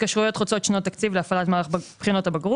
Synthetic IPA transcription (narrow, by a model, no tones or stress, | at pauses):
kaʃʁujo̞t̪χot͡so̞tʃnot̪ːakt͡sivleafalatmaːʁaχbpχino̞tabaɡʁu